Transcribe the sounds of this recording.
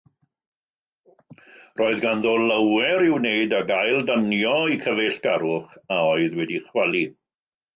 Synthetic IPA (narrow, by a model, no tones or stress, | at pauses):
rʔoːɨðɡanðoːləwɛɾɪwneɨdaɡajlˠdənjɔikʰəveɬɡ̥aɾʊχaoɨðwɛdiχwɛlˠi